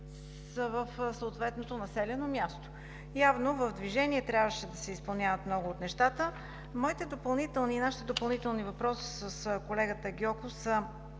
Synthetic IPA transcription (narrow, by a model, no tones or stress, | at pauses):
səvəfsəot̪vɛt̪not̪onɐsɛlɛnomjast̪o̥ | javnovəvd̪viʒɛniɛt̪ɾʲavəʃɛd̪ɐsɛispɐlˠnʲjavət̪mnɔɡʊːt̪nɛʃt̪at̪ə | mɔit̪ɛd̪opɐlˠnit̪ɛlˠniːnaʃit̪ɛd̪opɐlˠnit̪ɛlˠnivɐpɾɔsi̥səskolɛɡət̪əɡʲjɔkosə